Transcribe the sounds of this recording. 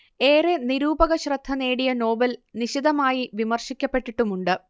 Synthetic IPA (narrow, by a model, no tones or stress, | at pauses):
e̞ːreniɾuːbɐɣɐɕrɐd̪ʱːɐneːɽijɐno̞ːbɐlniɕid̪ɐmaːjiʋimɐrɕikʲːɐpːe̞ʈːiʈːumuɳɖɨ